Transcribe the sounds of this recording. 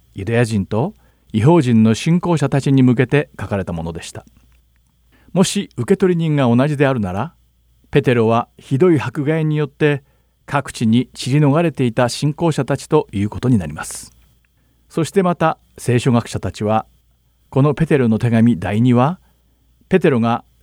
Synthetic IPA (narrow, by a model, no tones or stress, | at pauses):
jɯ̟d̪ajaʑĩnt̪o̞ | iɦo̞ːʑĩnːo̞ɕĩŋko̞ːɕat̪at͡ɕiɲ̟imɯ̟k̬e̞t̪e̞kakaɾe̞t̪amo̞no̞d̪e̞ɕi̥t̪ḁ | mo̞ɕiɯ̟ke̞t̪o̞ɾʲiɲ̟ĩŋɡao̞naʑid̪e̞aɾɯ̟naɾa | pe̞t̪e̞ɾo̞β̞açid̪o̞ihakɯ̟ɡaeɲ̟ijo̞t̪ːe̞ | kʰakɯ̟̥t͡ɕiɲ̟it͡ɕiɾʲino̞ɡaɾe̞t̪e̞it̪aɕĩŋko̞ːɕat̪at͡ɕi̥t̪o̞jɯ̟ːko̞̥t̪o̞ɲ̟ina̰ɾʲimasɨ̥ | so̞ɕi̥t̪e̞mat̪a | se̞ːɕo̞ɡakɯ̥ɕat̪at͡ɕiβa | ko̞no̞pe̞t̪e̞ɾo̞no̞t̪e̞ɡamʲid̪aiɲ̟iβa | pe̞t̪e̞ɾo̞ɡa